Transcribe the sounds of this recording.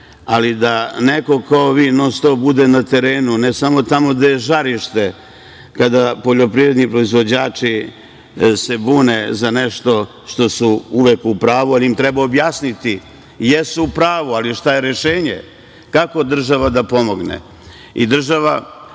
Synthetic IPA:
alid̪aneko̞kaoʋinost̪oːbud̪enat̪e̞ɾeːnunesamo̞t̪amo̞d̪ajeʒaɾiʃt̪e̞ | kad̪apo̞ʎo̞pɾivɾe̞d̪nipɾo̞izʋo̞d͡ʑaːt͡ʂi | se̞buːnezaneʃt̪o̞ | ʃt̪o̞suuʋekupɾaːʋualiimt̪ɾɛbaobjaːsnit̪i | jesuupɾaːʋualiʃt̪aje̞ɾe̞ʃeːɲḛ | kako̞d̪r̩ʒaʋad̪apo̞mo̞ɡnḛ | ḭd̪r̩ʒaʋa

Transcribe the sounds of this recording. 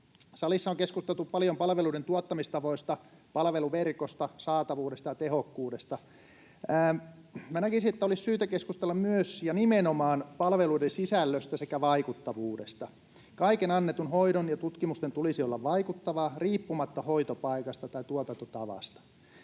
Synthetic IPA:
sɑlisːɑoŋkeskust̪elt̪uppɑljompɑlʋeluiɾent̪uot̪ːɑmist̪ɑʋoist̪ɑpɑlʋeluʋerkost̪ɑsɑːt̪ɑʋuːɾest̪ɑjɑt̪ehokːuːdest̪ɑ | æː | mænækisiet̪ːæolissyːt̪ækeskust̪elːɑmmyøsjɑnimenomɑːnpɑlʋeluidensisælːøst̪æsekæʋɑikut̪ːɑʋuːdest̪ɑ | kɑikenɑnːet̪unhoiɾonjɑt̪ut̪kimust̪ent̪ulisiolːɑʋʋɑikut̪ːɑʋɑriːpːumɑt̪ːɑhoit̪opɑikɑst̪ɑt̪ɑit̪uot̪ɑnt̪ot̪ɑʋɑ̰st̪ɑ̥

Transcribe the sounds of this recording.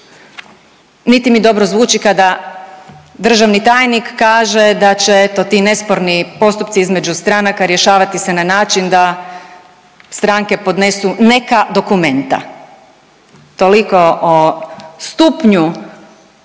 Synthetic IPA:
nit̪imid̪o̞bɾozʋuːt͡ʃikad̪a | d̪r̩ʒaʋnit̪aːjnikːaːʒe̞d̪at͡ɕet̪ot̪iːne̞spo̞ɾnipo̞st̪upt̪siizme̞d͡ʒust̪ɾanakaɾje̞ʃaːʋat̪ise̞nanaːt͡ʃind̪a | st̪ɾaŋke̞po̞d̪ne̞sune̞kad̪o̞kume̞nt̪a̰ | t̪o̞liko̞ʔost̪upɲu

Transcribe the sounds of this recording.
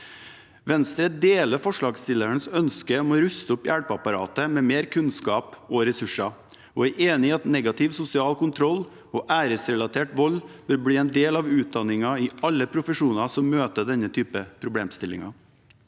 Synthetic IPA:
ʋɛnst̪ɾəd̪eːləfɔʂɭɑːɡst̪ɪlːəɳsœnskəɔmɔɾʉst̪əʊpjæɽpɑpɑɾɑ̰ːt̪əmɛːmeːɾkʰʉnskɑːpɔɾɛsʉʂɑ | ɔæɪʔeːnɪɑt̪nɛɡɑt̪ʰɪʋsʊsɪɑːlkʰʊnt̪ʰɾɔlː | ɔʔæːɾəsɾɛlɑt̪ʰeːʈʋɔlʋɪlbɽiːɛnd̪eːlɑʋʉːt̪̚d̪ɑnːɪŋɑɪɑlːəpʰɾʊfəʂuːnɑsɔmmøːt̪əɖɛnːət̪ʰyːpəpʰɾʊblḛːmst̪ɪlːɪ̰ŋɑ

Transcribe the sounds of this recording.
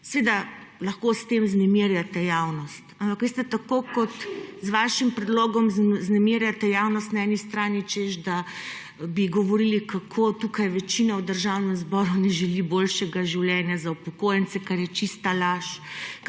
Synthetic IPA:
sʋed̪alɐxkost̪emznɛmiɾjat̪ɛjawnɔst̪ampakʋest̪ɛt̪akokɔt̪zʋaʃimpɾɛd̪loːɡɔmznɛmiːɾjat̪ɛjawnɔst̪naɛnist̪ɾaːnit͡ʃeʒd̪a | biɡɔʋɔɾilikʰakʰot̪ukajʋɛt͡ʃinawd̪əɾʒawnɛmzbɔɾunɛʒɛlibolʃɛɡaʒiwljɛnjazaupɔkojɛnt͡ssɛkaɾjɛt͡ʃist̪alaʃ

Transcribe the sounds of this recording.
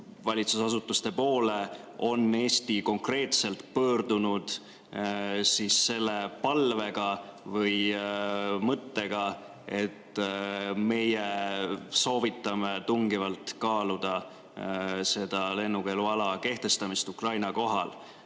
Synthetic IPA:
vɑlʲit̪susɑsut̪ːˑust̪e̞po̞ːle̞ | o̞nːe̞ːsʲt̪iko̞ŋkre̞ːt̪se̞lt̪pɤːrd̪̥unud̪̥ | sise̞lːe̞pɑlve̞ɡ̥ɑvɤj | mɤt̪ːe̞ɡ̥ɑ | e̞t̪ː | me̞je | so̞ːvit̪ːˑɑmet̪uŋɡivɑlt̪kɑːlud̪̥ɑ | se̞d̪̥ɑle̞nːuke̞luɑlɑke̞ht̪e̞st̪ɑmist̪ukrɑjnɑko̞ɦɑ̰l

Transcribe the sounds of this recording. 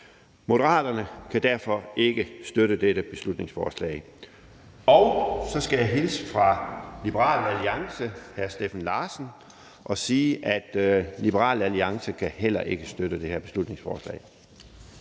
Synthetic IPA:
mo̝ɾ̥əʁɑ̰̈ːd̥ɐnəkʰæd̥æɐfɒ̽e̝ɡ̥əsd̥øɾəd̥eɾəb̥e̝slud̥ne̝ŋsfɒːslɛ̰ːɪ | ɒʊsɒ̽sɡ̥æjäɪɦelsfʁɑ̈lib̥əʁɑ̰̈ːlæliɑ̈ŋsəhæɐsd̥efæn̩lɑ̈ːsn̩ | ʔɒ̽siːʔæd̥lib̥əʁɑ̰̈ːlæliɑ̈ŋsəkʰæhel̰ɐʔe̝ɡ̥əsd̥øɾ̥əd̥e̝heɐb̥e̝slud̥ne̝ŋsfɒ̰ːslɛ̰ːɪ

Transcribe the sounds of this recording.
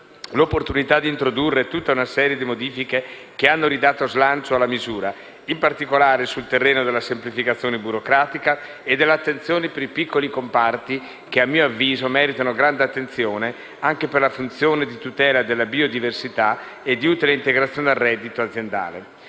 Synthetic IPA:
lopːort̪unit̪ad̪int̪ɾod̪urːet̪ut̪ːaunasɛːɾjed̪imod̪iːfike | k̟eanːoɾid̪aːt̪ozlant͡ʃoalːamizuːɾa | impart̪ikolaːɾesult̪erːeːnod̪elːasemplifikat̪sːjoːnebuɾokɾaːt̪ika | ed̪ːelːeat̪ːent̪sjoːnepeɾipikːolikompart̪i | k̟eamːiːoavːiːzomɛːɾit̪anoɡɾand̪eat̪ːent̪sjoːne | aŋkeperlafunt̪sjoːned̪it̪ut̪ɛːlad̪elːabiod̪iversit̪a | ed̪iut̪ileint̪eɡɾat̪sjoːned̪arːɛd̪ːit̪oad̪zːjend̪a̰ːlḛ

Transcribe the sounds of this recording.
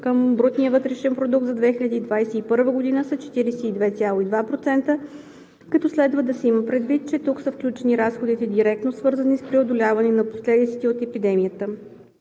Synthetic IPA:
kəmbɾot̪niəvɤt̪ɾɛʃɛnpɾod̪uk̚t̪zɐd̪vɛxilʲɐd̪iːd̪vajsɛipɤɾvəɡod̪inəsət͡ʃɛ̥t̪iɾisɛid̪vɛt̪sʲjalˠoid̪vapɾot̪sɛnt̪ə | kɐt̪ɔslɛd̪vəd̪ɐsɛiməpɾɛd̪vit̪̚t͡ʃɛt̪uksəfklʲut͡ʃɛniɾasxod̪it̪ɛd̪iɾɛk̚t̪nosvɤɾzənispɾɛod̪olʲavənɛnɐposlɛd̪it̪sɛ̥t̪ɛot̪ɛpid̪ɛmijət̪ə

